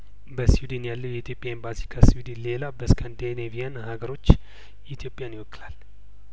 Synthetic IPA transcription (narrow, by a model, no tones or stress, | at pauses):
bəsiwd̪injalːəwjɛit̪ʰjo̞pʼjaembasi̥kʰəsiwd̪inle̞labəskʰənd̪enevijanhaɡəɾo̞t͡ʃː | it̪ʰjo̞pʼːjaniwɔkʼːlal